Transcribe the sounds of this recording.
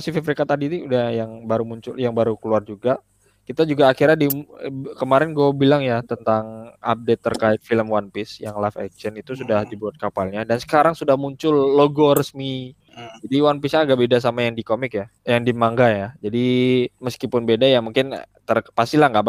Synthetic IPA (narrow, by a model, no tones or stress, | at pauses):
sififɾikat̪adit̪iudahjaŋbaɾumuɲt͡ʃʊ̰ljaŋbaɾukəluard͡ʒuɡa | kit̪ad͡ʒuɡaːkiɾadikəmaɾɛnɡabilaŋjat̪ənt̪aŋa̰p̚det̪ːərkaɪt̪̚filəmwanpɪsjaŋlafɛ̰k̚ʃənit̪usudahdibuat̪̚kapalɲadansə̥kaɾaŋsudahmuɲt͡ʃʊlːoɡoɾəsmi | d͡ʒadiwanpɪsɲaːɡaʔbedas̬amajaŋdikomɪkjajaŋdimaŋɡajad͡ʒadiməskipʊnbedajaŋmuŋkɪnt̪ərpasɪlaŋɡab